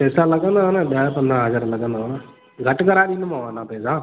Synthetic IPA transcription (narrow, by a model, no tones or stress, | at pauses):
pɛːsaːləɡə̃nd̪aːɦonãːɓaːpə̃nd̪ɾãːɦəd͡ʒəɾləɡə̃nd̪aːɦonaː | ɡʱəʈkəɾaːɗinmãʋãːnãːpɛːsaː